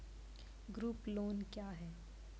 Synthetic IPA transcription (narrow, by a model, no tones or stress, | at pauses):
ɡɾuːploːnkjaːɦɛː